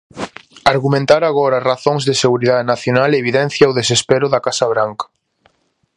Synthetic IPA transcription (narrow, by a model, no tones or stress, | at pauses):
aɾɣumẽnt̪aɾaɣɔɾɐaraθõŋzðeseɣuɾiðaðenaθjonaleβiðɛnθjaowðesespeɾʊðɐkasaβɾaŋkɐ̥